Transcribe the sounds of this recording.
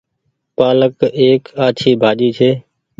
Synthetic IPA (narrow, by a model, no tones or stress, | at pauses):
paːləkeːkaːt͡ʃʰiːbʱaːʄiːt͡ʃʰeː